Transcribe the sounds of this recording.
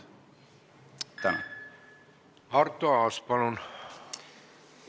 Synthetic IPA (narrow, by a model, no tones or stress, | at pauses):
t̪æn̰ | ɑrt̪ːoɑɑspɑlon